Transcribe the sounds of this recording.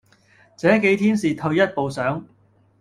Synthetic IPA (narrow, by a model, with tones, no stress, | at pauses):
t͡sɛː˨˥ke˨˥jt̪ʰiː˥nsiː˨t̪ʰɵ˧ɥjɐ˥t̚po˨wsœː˨˥ŋ